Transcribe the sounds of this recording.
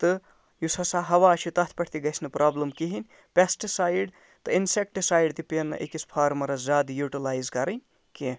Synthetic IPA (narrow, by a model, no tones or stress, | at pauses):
t̪ɨ | jusɐsaɦɐʋaːt͡ʃʰut̪ɐt̪ʰpɐʈʰt̪iɡɐsnɨpɾʔaːbləmkiɦinʲ | pʲesʈisaːjɖ | t̪ɨinsek̚ʈɨsaːjɖt̪ipenːɐ̰ʔekispʰaːɾmɐɾɐzaːd̪juʈilaːjzkɐɾɐnʲ | ki